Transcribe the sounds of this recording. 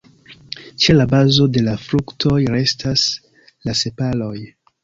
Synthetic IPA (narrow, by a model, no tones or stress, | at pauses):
t͡ʃe̞labazo̞de̞lafɾuktʰo̞jɾe̞stʰas | lase̞palo̞j